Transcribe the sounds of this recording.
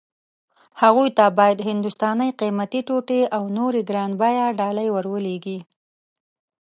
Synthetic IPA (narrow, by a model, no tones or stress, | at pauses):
haɣujt̪abɑjad̪ɦɪnd̪ʊst̪ɑnəjqimat̪iʈoʈeawnoɾeɡɾɑnbajaɖɑləjwəɾwəleɡi